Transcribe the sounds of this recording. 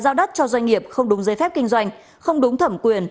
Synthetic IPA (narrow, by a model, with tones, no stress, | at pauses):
zaː˧wɗə˦˥t̚t͡ɕɔ˧zwa˧jŋ̟ŋi˨˩əp̚xə˧wŋ͡mɗʊ˨˦ŋ͡mzəː˨˦jfɛ˦˥p̚kï˧ŋ̟zwa˧jŋ̟ | xə˧wŋ͡mɗʊ˨˦ŋ͡mt̪ʰə˧˩mkwi˨˩ən